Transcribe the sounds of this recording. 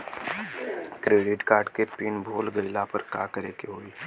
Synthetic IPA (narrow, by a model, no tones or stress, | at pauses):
kɾeːɖɪʈkaːɾɖkepiːnbʱoːlɡəɪlapəɾkaːkəɾeːkeɦoːiː